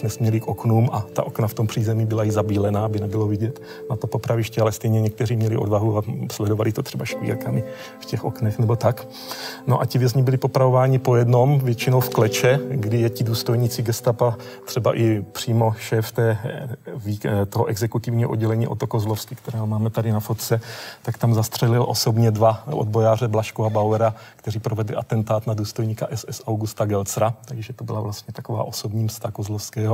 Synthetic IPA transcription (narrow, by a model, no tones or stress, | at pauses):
nɛsmɲɛlɪkʔoknuːmʔat̪a̰ʔo̞knaft̪o̞mpr̥iːzɛmibɪlaɪzabiːlɛnaabɪnɛbɪlovɪɟɛt̪ | nat̪opopɾavɪʃcɛalɛst̪ɛjɲɛɲɛk̚t̪ɛriːmɲɛlɪʔo̞dvaɦuaslɛdovalɪt̪ot̪r̥ɛbaʃkvḭːɾkamɪ | fcɛxo̞̰knɛxnɛbo̞t̪ak | noʔacɪvjɛzɲɪbɪlɪpo̞pɾavo̞vaːɲɪpojɛdno̞mvjɛt͡ʃɪno̞wfklɛt͡ʃɛɡdɪjɛcɪduːst̪o̞jɲiːt͡sɪɡɛst̪apa | t̪r̝̥ɛba̰ʔɪpr̝̥iːmo̞ʃɛːft̪ɛːvit̪oɦoʔɛɡzɛkut̪ɪvɲiːɦoʔodɟɛlɛɲiːʔot̪okozlofskɪkt̪ɛɾɛːɦomaːmɛt̪adɪnafot̪t͡sɛt̪akt̪amzast̪r̥ɛlɪlʔo̞̰sobɲɛdvaʔo̰d̪bo̞jaːr̝ɛblaʃkuabawɛɾakt̪ɛriːpɾovɛdlɪ̰ʔat̪ɛnt̪aːt̪naduːst̪o̞jɲiːkaʔɛsɛsawɡust̪aɡɛlt͡sɾat̪aɡʒɛt̪obɪlavlast̪ɲɛt̪akova̰ːʔo̞so̞bɲiːmst̪akozlofskɛːɦo